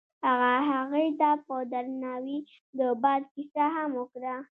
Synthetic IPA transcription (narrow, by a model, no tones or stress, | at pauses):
haɣaɦaɣujt̪apəd̪aɾnɑwi | d̪əbɑd̪̚kisahamokɾa